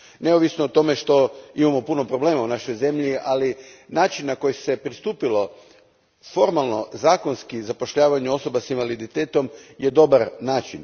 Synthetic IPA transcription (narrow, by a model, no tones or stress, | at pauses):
ne̞oʋisnoːt̪o̞me̞ʃt̪o̞imamo̞puno̞pɾo̞ble̞ːmaunaʃo̞jze̞mʎialinaːt͡ʃinːako̞jise̞pɾist̪uːpilo̞ | fo̞ɾmalˠno̞zaːko̞nskizapo̞ʃʎaːʋaɲuo̞so̞basinʋalid̪it̪e̞ːt̪o̞mjed̪o̞baɾnaːt͡ʃin